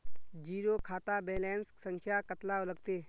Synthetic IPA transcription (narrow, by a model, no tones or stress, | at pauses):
d͡ʒiːɾokʰaːt̪abeːlɛ̃ːnsksə̃ŋkʰjakət̪laoləɡ̚t̪eː